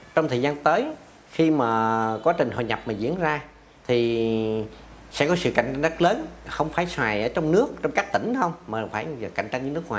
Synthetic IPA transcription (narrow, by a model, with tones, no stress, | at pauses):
t͡ɕɔ˧wŋ͡mt̪ʰəː˨˩jzaː˧nt̪əː˨˦j | xi˧maː˨˩kwaː˨˦˥t͡ɕï˨˩ŋ̟hɔ̰ː˧˨˩ɲa˨˩p̚maː˨˩zḭ˧˥ənzaː˧ | t̪ʰi˨˩ | sɛ̰˧˥kɔ˨˦sɨ̰˧˨ʔka̰˧˩ŋt͡ɕa˧ŋzə˦˥t̚ləː˨˦nxə˧wŋ͡mfaː˧˩jswaː˨˩jʔəː˧˩˦t͡ɕɔ˧wŋ͡mnɨ˦˥ək̚t͡ɕɔ˧wŋ͡mkaː˦˥k̚t̪ï˧˩ŋ̟xə˧wŋ͡mmaː˨˩faː˧˩jə˨˩ka̰˧˩jŋ̟t͡ɕa˧ŋɲɨ˧˦nɨ˦˥ək̚ŋwaː˨˩